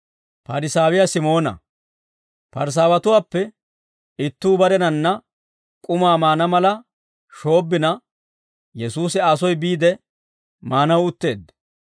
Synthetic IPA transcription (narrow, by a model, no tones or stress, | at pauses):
pɐɾɪsaːwɪjasɪmo̞ːnɐ̰ | pɐɾs̬aːwɐt̪ʊwaːpːɛ | ɪt̪ːuːbɐɾɛnɐnːɐ | kʼʊmaːmaːnɐmɐlɐ | ʃo̞ːbːɪnɐ | jɛsuːsɪɐsɔjbiːd̪ɛ | maːnɐwʊt̪ːe̞ːd̪